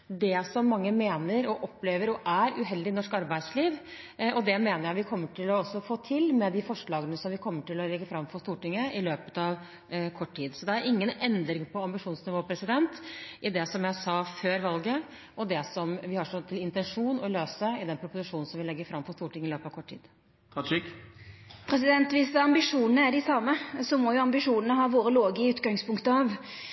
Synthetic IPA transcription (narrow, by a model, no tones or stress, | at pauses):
d̪ɛsɔmːɑŋːəmeːnəɾɔʔɔpːleːʋəɾɔʔæɾʉɦɛld̪ɪnɔʂkɑɾbæɪd̪sliːʋ | ʔɔd̪ɛmeːnəɾjæɪʋɪkʰɔmːəʈʰɪlːɔɔsːɔfoːt̪ʰɪlmɛd̪ɪfɔʂɭɑːɡənəsɔmʋɪkʰɔmːəʈɪlːɔlɛɡːəfɾɑmfɔʂst̪uːʈɪŋːəʔɪløːpə̥t̪ɑʋ | kʰɔʈːʈʰiːd̪sɔd̪ɛæɾɪŋːənɛnd̪ɾɪŋpʰɔɑmbɪʂuːnsnɪʋoːpʰɾɛsɪd̪ɛnt̪ʔɪd̪ɛsɔmjæɪsɑːføːɾʋɑlɡə | ʔɔd̪ɛsɔmʋɪhɑʂɔt̪ʰɪlɪnt̪ɛnʂuːnɔløːsəɪd̪ɛnpʰɾʊpʊsɪʂuːnn̩sɔmʋɪlɛɡːəfɾɑmfɔst̪uːʈɪŋəɪløːpəɑʋkɔʈʰːḭːd̪̥ | ɪk | pʰɾɛs̬ɪd̪ɛnt̪ʋɪsd̪ɛɑmbɪʂuːnənəæɖɪsɑmːəsɔmɔjʊɑmbɪʂuːnənəɦɑːʋoːɾəloːɡɪʉːt̪ɡɑŋspʊŋkt̪əɑʋ